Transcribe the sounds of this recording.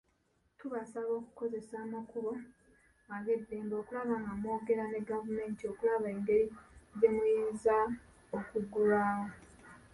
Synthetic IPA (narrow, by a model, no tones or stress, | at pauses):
tuβasaβoːku̥ko̞ze̞saːmakuɾo̞ | aɡe̞dːeːmbo̞ːkulaβaːŋɡamo̞ːɡe̞ɾane̞ɡavume̞ːntio̞kulaβae̞ːŋɡe̞ɾize̞mujeːnza | okuɡulaːwo